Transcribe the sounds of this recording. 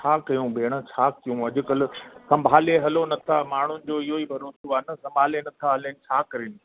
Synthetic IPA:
t͡ɕʰaːkɐjũbeːɽ̃ə̆t͡ɕʰaːkijũɐʄʊ̆kɐlɪ̆sɐ̃mbʱaːleɦɐlonɐt̪ʰamaːɳ̤ʊnɪ̆d͡ʑoːɪɦoiːbʱɐɾoːsoaːnɐsɐ̃mbʱaːlenɐt̪ʰaɦɐlenɪ̆t͡ɕʰaːkɐɾinɪ̆

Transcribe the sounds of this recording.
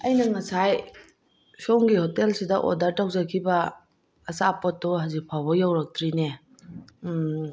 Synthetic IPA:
ɐjnɐŋɐsaj | sowŋɡihotelsidɐʔo̰dɐɾtaw̚zɐkʰibɐː | sapotːɔɦazik̚pʰawbɐjawɾɐk̚tʰɾine

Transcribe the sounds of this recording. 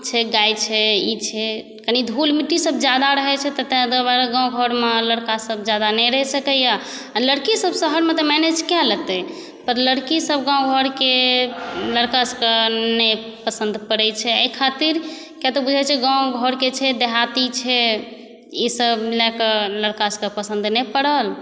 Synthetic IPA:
t͡ʃʰɛɡajt͡ʃʰɛit͡ʃʰɛ | kənid̪ʱulmiʈisəb̚d͡ʒad̪aɾəɦɛt͡ʃʰɛt̪ət̪ẽd̪əbaɾəɡãw̃ɡʱɔɾmeləɽkasəb̚d͡ʒad̪anɛɾəɦɛsəkəja | ləɽkisəbsəɦəɾmet̪ɔmɛned͡ʒkalət̪ɛ | pəɾləɽkisəbʱɡãw̃ɡʱɔɾke | ləɽkasəkənɛpəsənd̪pəɽɛt͡ʃʰɛəikʰat̪iɾ | kat̪ɔbud͡ʒʱɛt͡ʃʰɛɡãw̃ɡʱɔɾket͡ʃʰɛd̪eɦat̪it͡ʃʰɛ | isəbmilakələɽkaskəpəsənd̪nɛpəɽəl

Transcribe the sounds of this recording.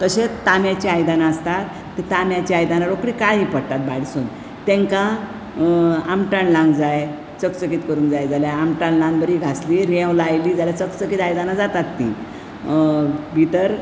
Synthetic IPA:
t̪əɕet̪amjat͡ɕiajd̪anaəst̪at̪ːet̪amjat͡ɕiajd̪anaɾokɽikaɦipəɽt̪at̪̚baɽsun | t̪ẽŋkã | amʈaɳlãŋɡd͡zaj | t͡səkt͡səkiːt̪kəɾuːnd͡zajd͡zaljaamʈãɳlãŋɡbəɾiɡʱasliɾẽwlajliːd͡zaljat͡səkt͡səkiːt̪ajd̪anad͡zat̪at̪ːḭ | bʱit̪əɾ

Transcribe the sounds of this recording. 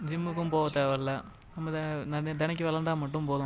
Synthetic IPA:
d͡ʒɪmːɯkːɯmpoːʋɐt̪ːɐʋɐlːɐ | nɐmːɐnɐnd̪ɐnɐk̬ːiʋɐlɐnɖ̪aːmɐʈːɯmpoːðʊ̃

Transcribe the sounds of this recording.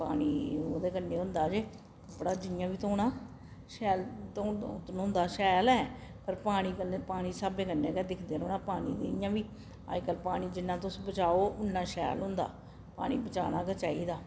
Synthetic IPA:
pa̰ːɽ̃iːoːd̪eːkənːeːʊ̃nd̪aːd͡ʒeː | kəpːɽaːd͡ʒɪnɪjãːʋiːt̪õːnãː | ʃɛːlt̪õːt̪nʊ̃nd̪aːʃɛːlɛːpəɾpaːɽ̃iːkənːpaːɽ̃iːsaːbeːkənːeːkɛːd̪ɪkʰd̪eːɾoːnãːpaːnḭːd̪ḛjãːʋiː | a̰ːd͡ʒkəlpaːɽ̃iːd͡ʒɪnːãːt̪ʊsbət͡ʃaːoːʔʊnːãːʃɛ̰ːlɦʊ̃nd̪a̰ː | pa̰ːɽ̃ḭːbət͡ʃa̰ːnaːkət͡ʃaːiːd̪aː

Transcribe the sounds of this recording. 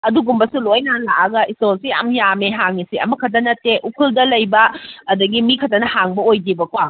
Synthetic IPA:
ɐduɡumbɐsulojnalaʔaɡɐʔistolsia̰mjameɦaŋisiɐ̰mɐkʰɐt̬ɐnɐteʔukʰuldɐlɐjbɐːdɐɡimikʰɐtɐnɐhaŋbɐojdibɐkwa

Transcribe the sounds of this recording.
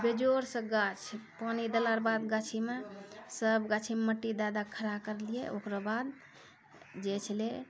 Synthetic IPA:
bed͡ʒoɾsə̃ɡat͡ʃʰpanid̪elaɾbad̪ɡat͡ʃʰimesəbɡat͡ʃʰimeməʈːid̪ad̪akʰəɾakəɾlijeʔokɾabad̪ | d͡ʒet͡ʃʰle

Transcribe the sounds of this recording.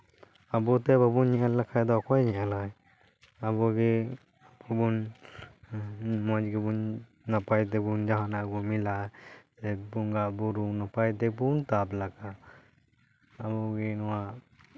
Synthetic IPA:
abɔt̪ɛbabunɲialːakʰajd̪ɔkɔjɲɛalaj | abɔɡɛ | babun | mɔd͡ʒɡɛbunː | apajt̪̬ɛbund͡ʒaɦanaʔɡɔmilad͡ʒɛbuŋɡaʔbuɾunapajt̪ɛbunt̪ablaɡa | bɔɡɛnɔwa

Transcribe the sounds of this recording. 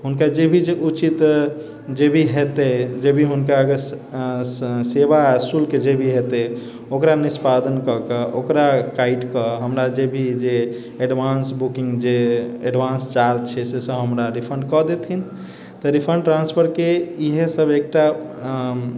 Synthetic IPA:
ɦunkad͡ʒebʱid͡ʒeʔut͡ʃit̪ | d͡ʒebʱiɦet̪ɛd͡ʒebʱiɦunkaəɡəɾ | seʋasulked͡ʒebʱiɦet̪ɛ | okɾanispad̪ənkɔkəʔokɾakaiʈkəɦəmɾad͡ʒebʱid͡ʒe | eɖbansbukiŋɡd͡ʒeeɖʋãnst͡ʃaɾd͡ʒt͡ʃʰɛsesəɦəmɾaɾipʰəɳɖkɔd̪et̪ʰin | t̪ɔɾipʰəɳɖʈɾanspʰəɾkeiɦesəbʱek̚ʈa

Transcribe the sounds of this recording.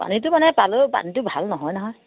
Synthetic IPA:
pa̰nitʊmanɛpalopa̰nitʊbʱalnɔɦɔjnɔɦɔj

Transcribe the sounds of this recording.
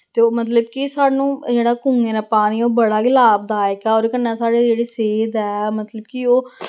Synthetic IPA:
t̪eːmət̪ləbkisaːnũːd͡ʒeːɽaːkʊŋɡeːnaːpaːniːoːbəɽaːɡɪlaːb̚d̪aːɪkɛːɔːɾkənːɛ̃ːsaːɖeːd͡ʒeːɽeːseːd̪ɛːmət̪ləbkioː

